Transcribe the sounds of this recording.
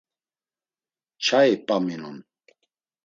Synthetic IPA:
t͡ʃʰaipʼaminun

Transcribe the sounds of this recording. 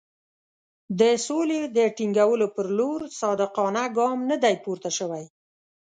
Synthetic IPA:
d̪əsoled̪əʈiŋɡawəlopəɾloɾsɑd̪ɪqɑnaɡɑmnəd̪ajpuɾt̪aʃəwaj

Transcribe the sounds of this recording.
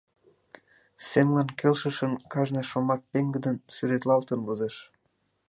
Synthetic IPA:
semlɑnkelʃə̆ʃə̆nkɑʒneʃomɑk̚peŋɡə̆d̪ənsyɾet̪lɑlt̪ənβɤzeʃ

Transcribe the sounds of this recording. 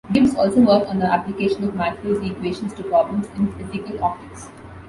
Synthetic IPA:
ɡɪʋsɔːlsoːʋəːɾkɔ̃nd̪əæplɪkeːʃə̃nɔʋmætuːzikweːʃə̃nsʈupɾɔːblə̃msɪ̃nfɪtɪkəlɔːktɪks

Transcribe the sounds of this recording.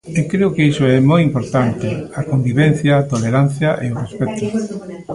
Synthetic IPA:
ekɾeʊkeisʊɛmojimpoɾt̪ant̪ɪakombiβɛn̟θjaːt̪oleɾan̟θjɐʔeʊrespɛt̪ʊ

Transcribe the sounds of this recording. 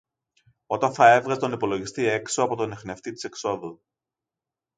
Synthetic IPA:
o̞t̪ɐnθɐe̞vɣɐst̪o̞nipo̞lo̞ʝist̪ie̞ksoɐpo̞t̪o̞nexneft̪it̪i̥se̞kso̞ðu

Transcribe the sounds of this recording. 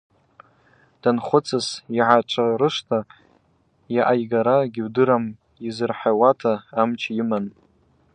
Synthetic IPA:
d̥anχʷʊt͡sʰɨsiʕat͡ʃʷʼʰaɾɨʂtʰa | jaʔajɡaɾaɡʲɪwdɨɾam | izɨrħawatʰaːmt͡ʃʰiman

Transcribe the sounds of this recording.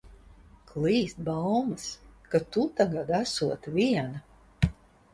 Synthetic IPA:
kʰlˠiːst̪̚bawmɨskat̪ut̪aɡad̪æsuɔt̪vʲiɛna

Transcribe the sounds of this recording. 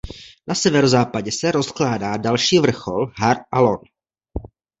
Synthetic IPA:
nasɛvɛɾozaːpaɟɛsɛɾo̞sklaːdaːdalʃiːvr̩xo̞lɦaɾʔalon

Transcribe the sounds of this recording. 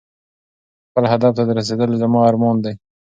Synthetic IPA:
xpəlɦad̪aft̪ad̪əɾas̬ed̪əlzamɑːɾmɑnd̪aj

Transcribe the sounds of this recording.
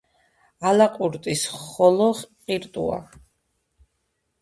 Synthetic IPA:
alaqʼuɾt̪ʼisχɔlɔʁqʼiɾt̪ʼṵa̰

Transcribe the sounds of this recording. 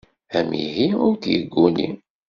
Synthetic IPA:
æmḭɦiʊɾθjəɡːunḭ

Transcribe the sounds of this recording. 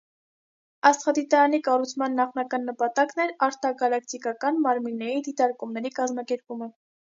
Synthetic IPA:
ɑst̪χɑd̪it̪ɑɾɑnikɑrut͡sʰmɑnːɑχnɑkɑnːəpɑt̪ɑknɛɾɑɾt̪ɑɡɑlɑkʰt̪ikɑkɑnmɑɾminːɛɾid̪it̪ɑɾkumnɛɾikɑzmɑkɛɾpumə

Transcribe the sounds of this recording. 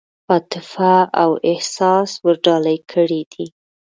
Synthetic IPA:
ɑt̪ɪfaawɪhsɑswəɾɖɑlajkʰəɽid̪i

